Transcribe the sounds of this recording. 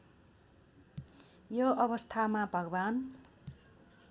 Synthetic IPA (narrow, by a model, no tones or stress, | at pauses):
joʔʌβʌst̪ʰamabʱʌɡban